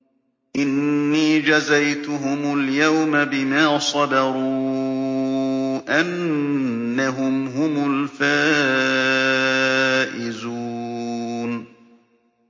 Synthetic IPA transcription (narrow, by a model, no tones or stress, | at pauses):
ʔɪnːiːd͡ʒazajt̪ʊɦʊmʊljawmabɪmaːsˤɑd̪ɑɾuː | ʔanː | aɦʊmɦʊmʊlfaː | ʔɪzuːn